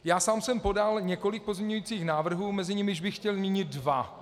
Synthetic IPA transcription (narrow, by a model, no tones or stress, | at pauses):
jaːsaːmsɛmpo̞dalɲɛko̞lɪk̚pozmɲʲɛɲujiːt͡siːxnaːvr̩ɦuːmɛzɪɲɪmɪʒbɪxːcɛlmɲiɲɪt̪̚dva